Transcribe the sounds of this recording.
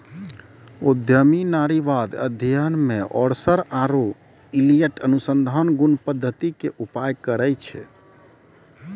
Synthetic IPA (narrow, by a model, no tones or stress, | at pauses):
ud̪ʱjəminaɾiʋad̪ə̰d̪ʱijənmeʔɔ̰ɽsəɾaɾo | ilijəʈənusənd̪ʱanɡunpəd̪ʱːət̪ikeʔupajkəɾəjt͡ʃʰɛ̰